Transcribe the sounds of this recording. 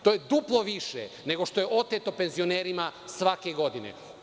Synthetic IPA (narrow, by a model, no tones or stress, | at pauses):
t̪o̞jed̪uplˠo̞ʋiʃḛ | ne̞ɡo̞ʃt̪o̞jeʔo̞t̪et̪o̞pe̞nzio̞neːɾimasʋakeɡo̞d̪inḛ